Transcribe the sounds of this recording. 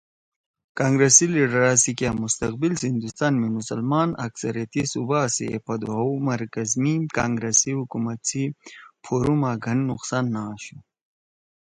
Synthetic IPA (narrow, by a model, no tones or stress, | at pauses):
kaːŋɡɾesiliɖɾaːsikjamust̪ɐqbilsind̪ust̪aːnmimusɐlmaːnɐ̰ksɐɾijɐt̪isubasḭḛpɐd̪uawmɐɾkɐzmikaːŋɡɾesiɦukumɐt̪t͡sʰipʰoɾumaɡʱɐnːuqsanːaːɕu